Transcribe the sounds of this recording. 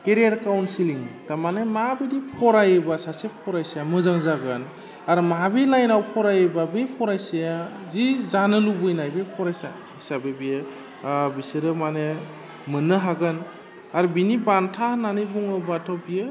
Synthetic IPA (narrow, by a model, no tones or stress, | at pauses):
keɾijaɾkawnsiliŋtamanemabedipʰɔɾajebasasepʰɔɾajsajamɯzaŋzaɡɯn | aɾmabilajnawpʰɔɾajebabepʰɔɾajseja | zizanɯlubɯjnajbepʰɔɾajsa̰ | isabebijɯ | bisɯɾɯmane | mɯnɯɦaɡɯn | aɾbinibantʰahnanibuŋɯbatʰɔbijɯ